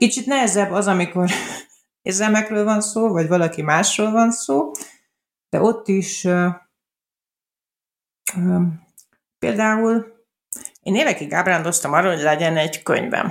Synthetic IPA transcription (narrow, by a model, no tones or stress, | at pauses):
kit͡ʃit̪nɛɦɛzɛbːɒzɒmiko̞r | ḛːrzɛlmɛkrøːlvɒnsoːvɒɟvɒlɒkimaːʃroːlvɒnsoː | d̪̥ɛ̰ʔo̞t̪ːiʃ | peːld̪aːul | ɛːneːvɛkiɡaːbraːnd̪o̞st̪ɒmɒrːɒɦo̞ɟlɛɟɛnɛɟkø̰ɲvɛ̰n